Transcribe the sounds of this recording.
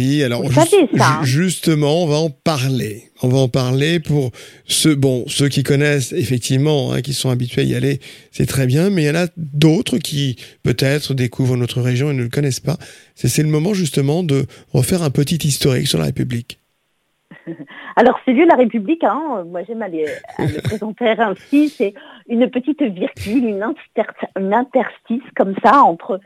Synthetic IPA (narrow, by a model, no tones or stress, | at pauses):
ialɔʁʒesaʒyst̪əmɑ̃ɔ̃vaɑ̃paʁle | ɔ̃vaɑ̃paʁlepuʁsøbɔ̃søk̬ʲikɔnɛsefɛk̚t̪ʰivmɑ̃ɛ̰̃kʲisɔ̃abit̪ɥeaḭa̰lʔesɛ̰t̪χɛbjɛ̃mɛiljɑ̃nad̪ot̪χəkʲʰipøt̪ɛt̪χəd̪ekʰuvʁənot̪χəʁeʒjɔ̃enələkɔnɛspa | sɛsɛləmɔmɑ̃ʒyst̪əmɑ̃d̪əʁə̰fɛʁɛ̃pət̪it̪ist̪ɔʁḭksyʁla̰ʁḛpyblik | alɔʁsəljød̪əlaʁepyblikɛ̃ømwaʒɛmalea̰ləpχezɑ̃t̪eʁɛ̃sisɛynpət̪it̪viʁɡʲylynɛ̃t̪ɛʁynɛ̃t̪ɛʁst̪iskɔmsaɑ̃t̪χə